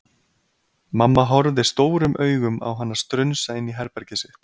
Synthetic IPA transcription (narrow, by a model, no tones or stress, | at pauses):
mamːaɦɔɾðɪ̥st̪oːwɾʏmʔœːɥɣʏma̰wɦanːaɾ̥st̪ɾʏɥnsaɪnːiɦɛɾpɛɾcɪsɪ